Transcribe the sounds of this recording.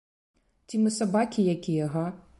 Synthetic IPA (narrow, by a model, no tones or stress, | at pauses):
t͡sʲimɨsabakʲijakʲijɐɦɐ